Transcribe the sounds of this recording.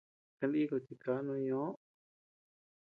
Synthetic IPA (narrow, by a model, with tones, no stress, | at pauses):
kã˧li˧i˦ko˨t͡ʃi˧ka˨˦nũ˧ɲõ˨˦